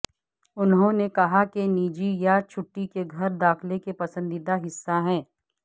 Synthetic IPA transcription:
ʊnɦõnekɐɦakeniːd͡ʒijat͡ʃʰʊʈːikeɡʱɐɾd̪aːkʰlekepɐsə̃nd̪id̪aɦɪsːaɦɛ̃ː

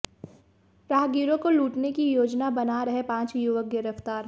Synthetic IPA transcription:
ɾaːɦɡiːɾõkoluːʈnekijoːd͡ʒnabɐnaɾɐɦepãːt͡ʃjʊʋək̚ɡɪɾəft̪aːɾ

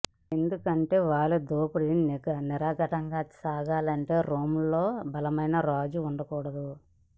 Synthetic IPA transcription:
e̞nd̪ukɐɳʈe̞ːʋaːɭud̪oːpuɽiinkɐniɾaːɡɐʈɐŋɡaːt͡ʃaːɡaːlɐɳʈe̞ːɾoːmulːo̞ːbɐlɐmɐjnɐɾaːd͡ʒuːɳɖɐkɔːɽɐd̪u

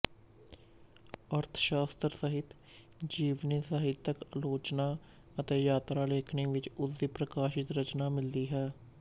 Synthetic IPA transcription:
əɾt̪ʰʃaːst̪ɾsəɦɪt̪ | d͡ʒiːʋnisaːɦɪt̪ːəkəloːt͡ʃnaː | ət̪eːjaːt̪ɾaːleːkʰɳiːʋɪt͡ʃʊsd̪iːpɾəkaːʃɪt̪ɾət͡ʃnaːmɪld̪iːɦɛː

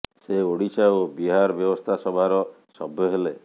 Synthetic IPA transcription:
seoɽit͡ʃaobiɦaɾɔbjɔbɔst̪ʰasɔbʱaɾɔ | sɔbʱjɔɦele

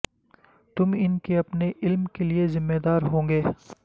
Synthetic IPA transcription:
t̪ʊmɪnkeɐpneʔɪlmkeliezɪmːeːd̪aːɾɦõːŋɡeː

